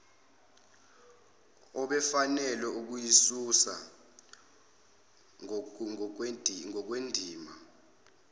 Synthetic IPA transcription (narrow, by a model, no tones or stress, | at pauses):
ɔɓɛfanɛlɛuk̬ujisusa̰ | ŋɔk̬wendʱiːma